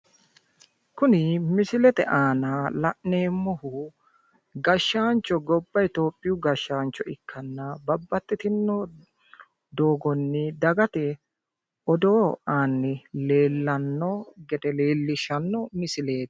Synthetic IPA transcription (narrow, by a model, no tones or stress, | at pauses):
kʊnɪmɪsɪlɛt̪ɛʔaːnɐlɐʔne̞ːmːɔhʊ | ɡɐʃːaːnt͡ʃːɔɡɔbːɐjt̪o̞ːpʼːɪjʊɡɐʃːaːnt͡ʃːɔɪkʰːɐnːɐbɐbːɐt̪ːɪt̪ɪnːɔ | d̪o̞ːɡɔnːɪd̪ɐɡɐt̪ɛ | ʔɔd̪oːaːnːɪle̞ːlːɐnːɔɡɛd̪ɛleːlːɪʃɐnːɔmɪsɪle̞ːt̪